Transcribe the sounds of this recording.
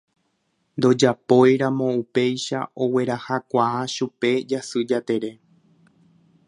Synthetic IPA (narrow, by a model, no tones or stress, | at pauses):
nd̪o̞d͡ʒapo̞jɾamõ̞upe̞jʃa̰ʔo̞we̞ɾahakʷaaʃupe̞d͡ʒasɨd͡ʒat̪e̞ɾe̞